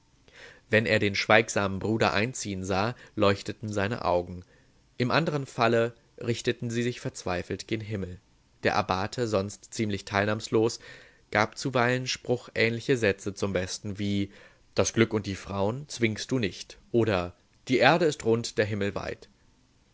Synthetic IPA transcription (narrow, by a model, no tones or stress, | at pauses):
vɛneːɐdeːnʃv̥aɪkz̥aːmənbʁuːdɐʔa̰ɪnt͡siːənzaːlɔʏçtətn̩zaɪnə̰ʔa̰ʊɡŋ̩ | ʔɪmʔandəʁ̞ənfalə | ʁɪçtətn̩ziːzɪçfɛɐt͡sv̥aɪfl̩tɡ̥eːɡnɦɪml̩ | d̥eːɐʔa̰baːtʰəzɔnstt͡siːmlɪçtʰaɪlnaːmsloːs | ɡ̥aːp̚t͡suvaɪlənʃpʁ̥ʊxʔɛːnlɪçəzɛt͡sət͡sʊmbɛstn̩viː | d̥asɡ̥lʏkʊnt̚d̥iːfʁ̥aʊənt͡sv̥ɪŋst̚d̥uːnɪçtʔoːɾɐ | d̥iːʔeːɐɾəɪstʁʊntd̥eːɐɦɪml̩va̰ɪt